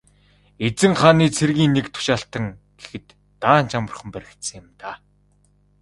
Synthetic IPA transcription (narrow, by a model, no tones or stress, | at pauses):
et͡sɘ̆ŋχaːniːt͡sʰerɣiːnːekt̪ʰʊ̥ʃaːɬt̪ə̆ŋ | ɡ̥exɘ̆t̪ːaːnt͡ɕʰamə̆r̆χə̆mpæɾʲɪ̆kt̪sɘ̆ŋjɪmt̪a